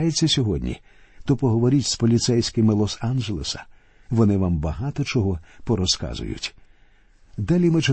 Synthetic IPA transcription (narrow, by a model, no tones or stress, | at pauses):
jet͡sʲːɐsʲɔɦɔdʲnʲḭ | t̪ɔpɔɦɔʋɔɾʲitʲspɔlʲit̪sɛjsʲkɪmɪlˠɔsanʒelˠesɐ̥ | ʋɔnɪʋambɐɦɑt̪ɔt͡ʃɔɦɔpɔɾɔskɑ̰zʊ̰jʊ̰tʲ | d̪alʲimɪt͡ʃɪ